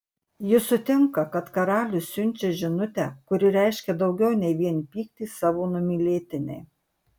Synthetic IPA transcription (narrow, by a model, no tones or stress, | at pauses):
jɪsʊt̪ʲɪŋkɐkɐt̪kɐɾɑːlʲʊsʲʊnʲt͡ʃʲɛʒʲɪnʊt̪ʲækʊɾʲɪɾʲɛˑɪʃʲkʲɛd̪ɒʊɡʲɛʊnʲɛɪʋʲiɛnpʲiːkt̪ʲiːsɑːʋoːnʊmʲiːlʲeːt̪ʲɪnʲɛ̰ɪ